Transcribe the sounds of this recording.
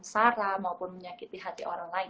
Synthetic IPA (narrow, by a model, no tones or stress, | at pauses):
ŋsaɾamaupʊnməɲakit̪iɦat̪iʔoɾaŋlaɪ